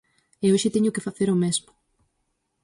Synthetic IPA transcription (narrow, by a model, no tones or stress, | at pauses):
eoʃɪt̪ɛɲʊkɪfaθeɾomɛzmʊ̥